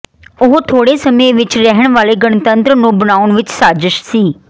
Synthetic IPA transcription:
ʊɦt̪ʰoːɽeːsəmẽːʋɪt͡ʃɾɛɦəɳ̃ʋaːleːɡəɳt̪ənt̪ɾnũːbənaːʊɳʋɪt͡ʃsaːd͡ʒəʃsiː

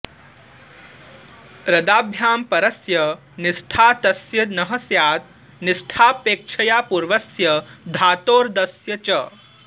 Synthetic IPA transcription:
ɾɐd̪aːbʱjaːmpɐɾɐsjɐ | nɪsʈʰaːt̪ɐsjɐnɐɦɐsjaːt̪ | nɪsʈʰaːpeːk̚t͡ʃʰɐjaːpuːɾʋɐsjɐd̪ʱaːt̪oːɾd̪ɐsjɐt͡ʃɐ

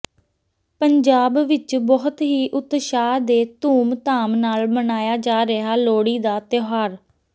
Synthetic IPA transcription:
pəɲd͡ʒaːbʋɪt͡ʃbɔːʊt̪ɦiːʔʊt̪ʃaːd̪eːt̪uːmt̪aːmnaːlbənaːjaːd͡ʒaːɾeɦaːloːɽiːd̪aːt̪ɪoɦaːɾ

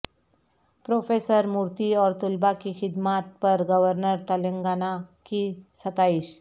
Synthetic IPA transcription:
pɾofesəɾmuɾt̪iɔɾt̪ulbakixid̪mat̪̚pəɾɡəʋəɾnəɾt̪əleŋɡanakisət̪aiɕ

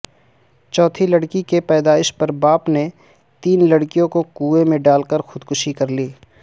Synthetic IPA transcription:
t͡ʃɔːt̪ʰilɐɽkikepɛːd̪aːɪʃpɐɾbaːpne | t̪iːnlɐɽkijõkokuːemẽɖaːlkəɾxʊd̪kʊʃikɐɾliː

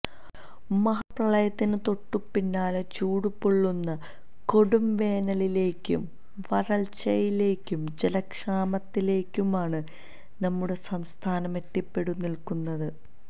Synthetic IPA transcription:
mɐɦɐprɐɭɐjɐt̪ːinɨt̪o̞ʈːupːinːaːlet͡ɕuːɽupːoɭːunːɐ | ko̞ɽumʋe̞ːnɐlile̞ːkʲːṵm | ʋɐrɐlt͡ɕɐjile̞ːkːumd͡ʑelɐkʂaːmɐt̪ːile̞ːkʲːumaːɳɨ | nɐmːuɽe̞sɐmst̪ʰaːnɐmet̪ːipːe̞ɽunːilkunːɐðɨ

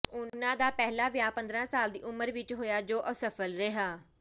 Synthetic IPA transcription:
ʊnãːd̪aːpɛːɦlaːʋjaːpə̃nd̪ɾãːsaːld̪ḭːʔʊməɾʋɪt͡ʃɦoːjaːd͡ʒoːʔəsəfʰəlɾɪɦaː

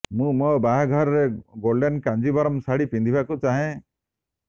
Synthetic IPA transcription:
mũmɔbaɦaɡʱɔɾɔɾeɡoɾɖenkand͡ʒibaɾɔmsaɽipind̪ʱibʱakut͡ʃaɦẽ

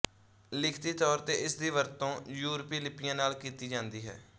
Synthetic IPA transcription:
lɪkʰt̪iːt̪ɔːɾt̪eːʔɪsd̪iːʋəɾt̪õːjuːɾpiːlɪpɪjãːnaːlkiːt̪iːd͡ʒãːnd̪iːɦɛ̰ː

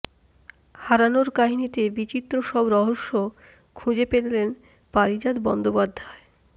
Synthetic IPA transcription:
haɾanoɾkaɦinit̪ebit͡ɕit̪ːɾoʃɔbɾɔɦoʃːo | kʰud͡ʑepellen | paɾid͡ʑad̪bɔnd̪opad̪ʱːae

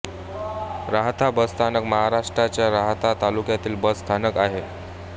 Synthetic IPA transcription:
ɾaɦt̪ʰabəd͡zt̪ʰanəkməɦaɾaʂʈɾat͡ɕjaɾaɦt̪ʰat̪alukjat̪iːlbəd͡zst̪ʰanəkaɦe

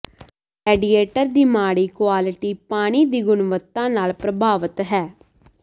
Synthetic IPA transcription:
ɛːɖiːeːʈəɾd̪iːmaːɽiːkwaːlɪʈiːpaːɽ̃iːd̪iːɡʊnʋət̪ːãːnaːlpɾəbʱaːʋət̪ɦɛː

